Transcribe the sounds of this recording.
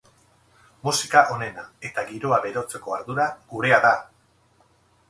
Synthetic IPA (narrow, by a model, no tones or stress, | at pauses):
musikaʔo̞ne̞nae̞t̪aɣiɾo̞aβe̞ɾo̞t͡se̞ko̞aɾðuɾaɣ̥uɾe̞aða